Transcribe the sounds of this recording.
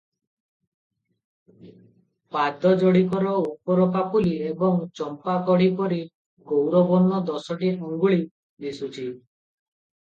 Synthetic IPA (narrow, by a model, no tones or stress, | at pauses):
pad̪ʱɔd͡ʒɔɽikɔɾɔupɔɾɔpapuliebɔŋt͡ʃɔmpakɔɽ̤ipɔɾi | ɡowɾɔbɔnːɔd̪ɔsɔʈiɔŋɡuɭi | d̪isut͡ʃʰi